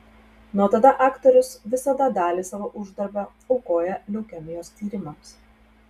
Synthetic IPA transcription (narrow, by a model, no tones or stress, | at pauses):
nuɔt̪ɐd̪ɐʔɑːkt̪ɔɾʲʊsʋʲɪsɐd̪ɐd̪ɑːlʲiːsɑːʋoːʔʊʒd̪ɐɾʲbʲɛ | ɐʊkoːjɛlʲɛʊkʲɛmʲɪjoːst̪ʲiːɾʲɪmɐms